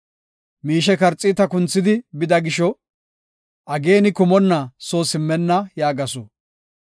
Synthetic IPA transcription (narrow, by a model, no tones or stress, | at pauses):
miːʃɛkɐɾt͡sʼːiːt̪ɐkʊnt͡sːɪd̪ɪbɪd̪ɐɡɪʃɔ | ʔɐɡe̞ːnɪkʊmɔnːɐsoːsɪmːɛnːɐjaːɡɐsʊ̰